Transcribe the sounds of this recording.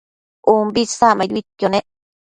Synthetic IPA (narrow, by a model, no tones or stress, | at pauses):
umbisamãd̪βit̪jonẽʔ